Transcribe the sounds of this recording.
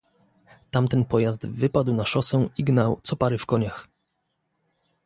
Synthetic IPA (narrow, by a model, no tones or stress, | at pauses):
t̪amt̪ɛnpɔjazd̪vɘpad̪wnaʂɔsɛiɡnawt̪sɔpaɾɘfkɔɲax